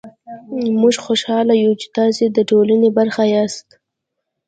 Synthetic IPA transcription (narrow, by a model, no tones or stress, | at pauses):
muʒxoʃɑlajut͡ʃi̥t̪ɑsed̪əʈolanebaɾxajɑst̪